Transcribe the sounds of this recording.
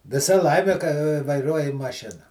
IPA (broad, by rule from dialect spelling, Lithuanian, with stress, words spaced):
ʋʲɪˈsɐ ˈlˠɐɪmʲɪ kɐ ʋɐɪˈruɔjɪ mɐˈʃʲɪnɐ